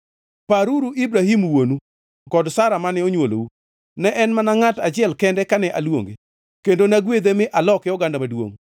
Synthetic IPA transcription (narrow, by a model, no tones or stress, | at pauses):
paɾuɾuʔibɾahimwonu | kɔdsaɾamanɛoɲwolo̰wu | nɛʔɛnmanaŋatat͡ʃɪɛlkɛndɛkanɛʔalwo̰ŋɡe | kendonaɡwed̪emɪʔalɔkɪjɔɡandamadwo̰ŋ